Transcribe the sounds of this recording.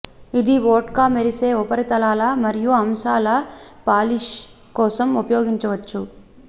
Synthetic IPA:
id̪iʋoːʈkaːmeɾiseːupɐɾit̪ɐlaːlɐmɐɾijuɐmʃaːlɐpaːliʃ | kɔːsɐmupɐjoːɡiɲt͡ʃɐʋɐt͡ʃːu

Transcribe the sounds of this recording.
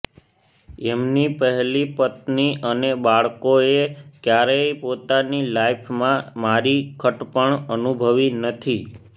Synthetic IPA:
ɛmnipəɦɛlipət̪niʔənebaɭkoekjaɾeipot̪anilaipʰmãmaɾikʰəʈpəɳənubʱəʋinət̪ʰi

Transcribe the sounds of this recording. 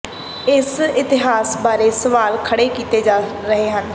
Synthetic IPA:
ɪsɪt̪ɪɦaːsbaːɾeːsəʋaːlkʰəɽeːkiːt̪eːd͡ʒaːɾəɦeːɦən

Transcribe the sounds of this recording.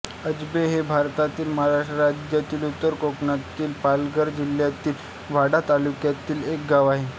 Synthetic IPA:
əd͡ʑbeɦebʱaɾt̪at̪iːlməɦaɾaʂʈəɾad͡ʑjat̪iːlut̪ːəɾkokɳat̪iːlpalɡəɾd͡ʑiljat̪iːl | ʋaɽat̪alukjat̪iːlek̚ɡaʋaɦe

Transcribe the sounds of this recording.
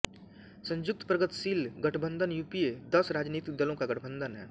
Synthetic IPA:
sə̃ɲd͡ʒʊk̚t̪pɾəɡət̪siːlɡɐʈʰbə̃nd̪ʱənjuːpijed̪ɐsɾaːd͡ʒniːt̪ɪk̚d̪əlõkaɡɐʈʰbə̃nd̪ʱənɦɛ̰ː

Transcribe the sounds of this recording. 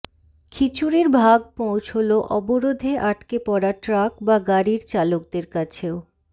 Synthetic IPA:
kʰit͡ɕuɾeɾbʱaɡ̚põwt͡ɕʰoloʔɔboɾod̪ʱeʔaʈkepɔɾaʈɾakbaɡaɾiɾt͡ɕalok̚d̪eɾkat͡ɕʰeo

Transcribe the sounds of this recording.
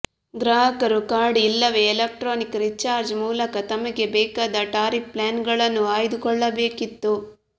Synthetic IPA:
ɡɾaːɦɐkɐɾukaːɽiilːɐʋeːlɐk̚ʈɾoːnikɾit͡ʃːaːɾd͡ʒmuːlɐkɐt̪ɐmɐɡe̞bɛːkaːd̪ɐʈaːɾip̚plaːnɡɐɭɐnːuaːjid̪ukɔɭːɐbeːkit̪ːu

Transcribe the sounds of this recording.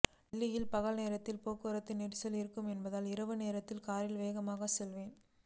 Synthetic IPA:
ɖɪlːɪjɪlpɐɣɐɭneːɾɐt̪ːɪlpoːkːɯɾɐt̪ːɪnɪʈsɐlɪɾɯkːɯmɛnbɐðaːlɪɾɐʋɯneːɾɐt̪ːɪlkaːɾɪlʋeːɣɐmaːɣɐsɛlʋeːn

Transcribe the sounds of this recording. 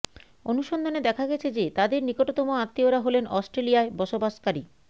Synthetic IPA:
onuʃond̪ʱaned̪ɛkʰaɡɛt͡ɕʰed͡ʑet̪ad̪eɾnikoʈot̪ɔmoat̪ːioɾaɦolenʔɔsʈɾelijaebɔʃobaʃkaɾi

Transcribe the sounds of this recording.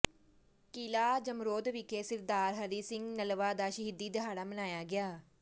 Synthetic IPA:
kiːlaːd͡ʒəmɾoːd̪ʋiːkeːsɪɾd̪aːɾɦəɾiːsɪ̃ŋɡnəlʋaːd̪aːʃəɦid̪iːd̪əɦaːɽaːmənaːjaːɡɪaː

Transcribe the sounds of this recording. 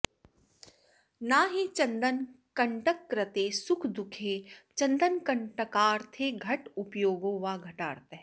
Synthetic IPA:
naːɦit͡ʃɐ̃nd̪ən | kɐ̃ɳʈəkːɾət̪esʊkʰd̪ʊkʰeːt͡ʃɐ̃nd̪ənkɐɳʈəkaːɾt̪ʰeːɡʱɐʈʊpjoːɡõʋaːɡʱɐʈaːɾt̪e

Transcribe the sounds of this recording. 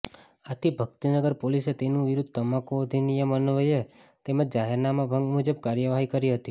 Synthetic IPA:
at̪ʰibʱəɡt̪inəɡəɾpoliset̪enũʋiɾud̪ʱt̪əmakod̪ʱinijəmənʋəjet̪emad͡ʒaɦɛɾnamabʱəŋɡmud͡ʒəb̚kaɾjəʋaɦikəɾiɦət̪i

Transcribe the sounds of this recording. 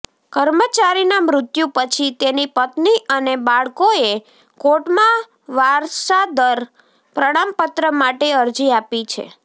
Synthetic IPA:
kəɾmət͡ʃaɾinamɾʊt̪jũpət͡ʃʰit̪enipət̪niʔənebaɭkoe | koʈmã | ʋaɾʃad̪əɾ | pɾəɽ̃ampət̪ɾəmaʈeəɾd͡ʒiapit͡ʃʰḛ

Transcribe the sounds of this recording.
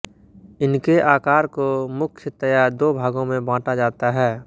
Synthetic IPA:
ɪnkeʔaːkaːɾkomʊkʰjət̪əjaɾd̪oːbʱaːɡõmẽbãːʈad͡ʒaːt̪aɦɛː

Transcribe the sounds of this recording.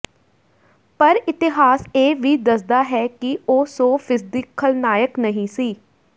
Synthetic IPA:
pəɾɪt̪ɪɦaːseːʋiːd̪əsd̪aːɦɛːkɪoːsoːfʰɪsd̪ɪkʰːəlnaːjəknəɦĩːsiː

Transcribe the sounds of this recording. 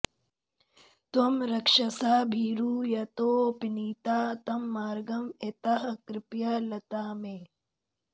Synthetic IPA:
t̪ɐmɾɐkʂɐsaːbʱiːɾuːjɐt̪oːpiniːt̪aːt̪ɐmːaːɾɡɐmet̪aɦɐkɾɪpjalɐt̪aːmeː

